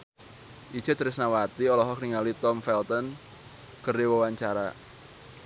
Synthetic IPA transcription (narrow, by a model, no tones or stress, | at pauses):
ʔi̥d͡ʒ̥ət̪əɾɪsnawat̪iɔlɔɦɔkniŋalit̪ɔmfɛlt̪ɔn | kərdewəwaɲt͡ʃaɾa